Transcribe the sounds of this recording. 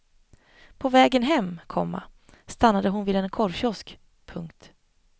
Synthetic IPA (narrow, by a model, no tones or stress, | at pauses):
pʰɔvɛːɡənɦɛmːkʰɔmːa̰ | st̪anːad̪əɦʊnviːd̪ɛnkʰɔɾɕɔsk | pʰɵŋkt̪